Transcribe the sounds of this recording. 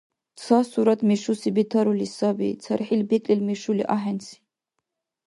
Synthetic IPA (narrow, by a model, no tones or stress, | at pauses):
t͡sʰasuɾat̪ʰʼmiʃusibit̪ʰaɾulisabḭt̪t͡sʰaɾħilbɛkʼlilmiʃuliʔaɦɛnsi̥